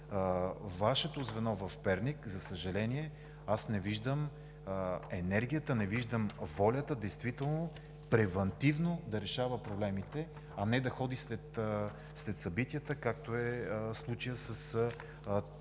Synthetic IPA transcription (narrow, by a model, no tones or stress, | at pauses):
vaʃɛt̪ozvɛnɔvɐfpɛɾnikzɐsəʒɐlɛniɛ | asnɛviʒd̪əm | ɛnɛɾɡ̟ʲijət̪ənɛviʒd̪əmvɔlʲət̪əd̪ɛjst̪vit̪ɛlˠno | pɾɛvɐnt̪ivnod̪ɐɾɛʃavəpɾoblɛmit̪ɛ | ɐnɛd̪ɐxɔd̪islɛt̪ | slɛt̪sɐbit̪ijət̪əkak̚t̪oɛslˠut͡ʃijəsəs